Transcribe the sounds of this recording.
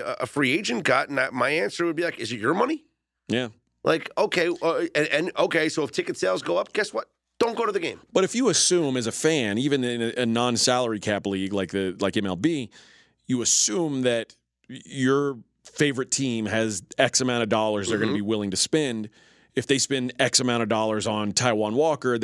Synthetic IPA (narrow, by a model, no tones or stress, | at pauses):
ʌʔəfɹieɪd͡ʒɨ̃nɡ̥ɑtn̩aɪmaɪæ̃nsə˞wɨd̚bilaɪkɨzɨt͡ʃə˞mʌni | jæ | lʔa̰ɪkoʊkʰeɪʌɨ̃nɨ̃noʊkʰeɪsoʊəftʰɪkɨtseɪlˠzɡoʊʌp̚ɡ̥ɛswʌt̚ | d̥õʊ̃nɡ̥oʊɾɨðɨɡẽɪ̃mb̥ʌɾɨfjɨəsʉ̃mɨzɨfæ̃nivɨ̃nɪ̃nɨʔɨnɑ̃nsælˠə˞ikʰæpliɡlaɪk̚ðɨlaɪkɛ̃mɛlˠbi | ɨɨsʉ̃mðɨt͡ʃ | ə˞ | feɪvə˞ɨtʰĩmɨzɛksɨmãʊ̃ɾ̃ʌvdɔlˠə˞zðə˞ɡʌnəbiwɪlˠɪ̃ŋtɨspɛ̃nd | ɨfðeɪspɛ̃ndɛksɨmãʊ̃ɾ̃tʌvdɔlˠə˞zn̩tʰaɪwɑ̃nwɔkə˞